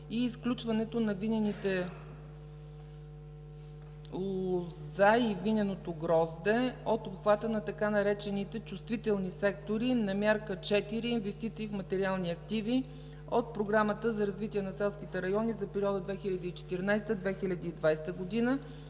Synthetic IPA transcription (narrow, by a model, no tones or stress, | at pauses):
iːsklʲut͡ʃvɐnɛt̪onɐvinʲɛnit̪ɛ | lˠozaivinʲɛnot̪oɡɾɔzd̪ɛot̪opxvat̪ənɐt̪ɐkanɐɾɛt͡ʃɛnit̪ɛt͡ʃust̪vit̪ɛlˠnisɛkt̪oɾinɐmʲjaɾkət͡ʃɛt̪iɾiːnvɛst̪it̪siːfmɐt̪ɛɾialˠniɐkt̪ivi | ot̪̚pɾoɡɾamət̪əzɐɾɐzvit̪ʲiɛnɐsɛlˠsk̟it̪ɛɾɐjɔnizɐpɛɾiɔd̪əd̪vɛxilʲɐd̪iːt͡ʃɛ̥t̪iɾnajst̪əd̪vɛxilʲɐd̪iːd̪vajst̪əɡod̪inə